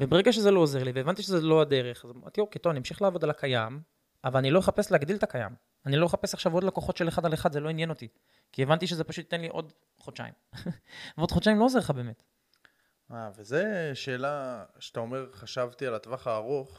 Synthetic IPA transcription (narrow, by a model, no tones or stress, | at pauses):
vebeʁe̞ɡaʃezelo̞ːzeʁliveːvant̪iʃezeload̪e̞ʁe̞χazomt̪ioket̪ovanimʃiχlaːvo̞d̪alakʰajam | avalanilo̞jeχapesleaɡd̪ilt̪akaja̰m | anilo̞jeχape̞saχʃavo̞d̪lokoχo̞t̪ʃe̞leχad̪aleχad̪zelo̞injeno̞t̪i | kievant̪iʃ̬ezepaʃut̪ːenliʔo̞̰d̪ | χot͡ʃa̰ḭm | veod̪χot͡ʃaimlo̞oze̞χabe̞ːmet | avezeʃe̞ːlaʃe̥t̪aomeʁχaʃavt̪ialat̪vaχaːʁoχ